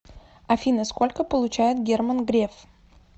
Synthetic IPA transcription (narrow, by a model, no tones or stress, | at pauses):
ɐfʲinəskolʲkəpəlˠʊt͡ɕæjɪt̪ɡʲermənɡɾʲef